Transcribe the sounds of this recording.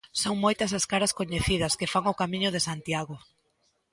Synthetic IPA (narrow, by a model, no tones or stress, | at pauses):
soŋmojt̪ɐsɐskaɾɐskoɲeθið̞ɐskefaŋʊkamiɲʊðesant̪jaɣʊ